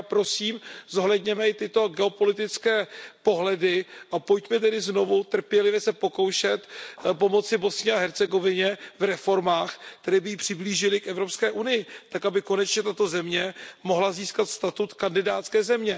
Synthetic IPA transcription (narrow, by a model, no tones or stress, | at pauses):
apɾo̞siːmzo̞ɦlɛd̪ɲɛmɛɪt̪ɪt̪o̞ɡɛo̞po̞lɪt̪ɪt͡skɛːpo̞ɦlɛdɪʔapojtc̪mɛt̪̬ɛdɪzno̞vut̪r̩pjɛlɪvjɛsɛpo̞ko̞wʃɛt̪po̞mo̞t͡sɪbo̞sɲɪaɦɛɾt͡sɛɡo̞vɪɲɛvɾɛfo̞ɾmaːxkkt̪ɛɾɛːbɪjiːpr̝̥ɪbliːʒɪlɪkɛvɾo̞pskɛːʔunɪjɪt̪akabɪko̞nɛt͡ʃɲɛt̪at̪o̞zɛmɲɛmo̞ɦlaziːskat̪st̪at̪ut̪kandɪdaːt̪t͡skɛːzɛmɲɛ